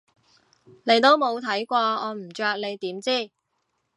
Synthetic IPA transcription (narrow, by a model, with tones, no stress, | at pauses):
le˨˧jt̪o˥wmo˨˧wt̪ʰɐ˨˥jkʷɔː˧ɔː˨˧m̩˨˩t͡ʃœː˧k̚le˨˧jt̪iː˨˥mt͡siː˥˩